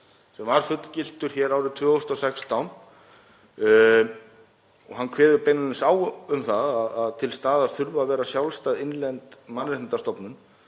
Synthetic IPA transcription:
sɛmvaɾ̥fʏt̪lcɪl̥t̪ʏɾ̥çɛːɾaːwɾɪt̪ʰvœːɣɔst̪ɔsɛkst̪ʰawn | ɔɣɦankʰvɛːðʏɾpejnanɪnsaːwʏmθaðaðaðt̪ʰɪlst̪aːðaɾ̥θʏɾvavɛːɾasjawlst̪aðɪnlɛnt̪manɾɪh̪nt̪ast̪ɔpnʏn

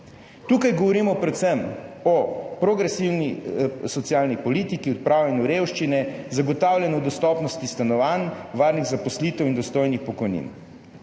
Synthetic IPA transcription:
t̪uːkajɡɔʋɔɾiːmɔpɾɛt̪sɛmɔpɾoɡɾɛsiwnisɔt̪sijaːlnipɔliːt̪ikiɔt̪̚pɾaːwlʲɛnjuɾewʃt͡ʃinɛzaɡɔt̪aːwlʲjɛnɔwd̪ɔst̪ɔpnɔst̪ist̪anɔʋanʋaːɾniɣzapɔslit̪ɛwind̪ɔst̪oːjnixpɔkɔjnḭn

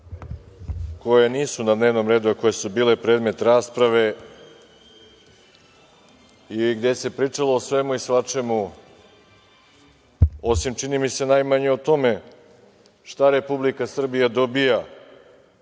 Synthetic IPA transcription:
ko̞jeniːsunad̪neʋno̞mɾeːd̪uako̞je̞subiːle̞pɾe̞ːd̪me̞t̪ɾaːspɾaʋe̞ | iɡd̪e̞se̞pɾiːt͡ʂaloosʋe̞muisʋat͡ʃe̞mu | o̞simt͡ʃinimise̞najmaɲe̞ot̪o̞me̞ | ʃt̪aɾe̞publikasr̩bijad̪o̞bija

